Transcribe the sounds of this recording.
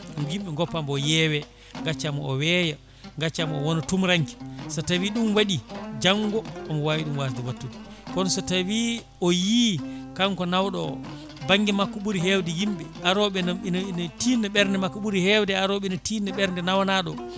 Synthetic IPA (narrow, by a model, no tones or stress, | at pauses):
mjimɓɛŋɡɔpːambɔjɛːwɛ | ŋɡat͡ʃːamɔɔwɛja | ŋɡat͡ʃːamɔɔwɔnɔtumɾaŋki̥sɔtawiɗumwaɗid͡ʒaŋɡɔɔmɔwaːwiɗumwasdɛwatːuti̥kɔnsɔtawi | ɔjikaŋkɔnawɗɔ | baŋɡimakːuɓuɾiɦɛwdɛjimɓɛaɾɔɓɛnnntinɛɓɛɾndɛmakːuɓuɾihɛwdɛaɾɔɓɛnɔtinɛɓɛɾndɛnawanaɗɔ